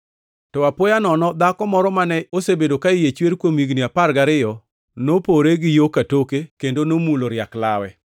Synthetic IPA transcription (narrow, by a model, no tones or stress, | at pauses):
tɔapojanɔnɔd̪akɔmɔɾɔmanɛosebedokaɪjet͡ʃweɾkwomiɡniapaɾɡaɾɪjɔ | nopoɾeɡɪjokatokekendonomuloɾjakla̰wɛ